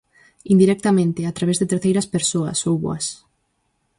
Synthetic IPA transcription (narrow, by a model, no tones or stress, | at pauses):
ind̪iɾɛk̚t̪amẽnt̪ɪat̪ɾaβezðet̪eɾθejɾɐspeɾsoɐ̰sowβuɐ̰s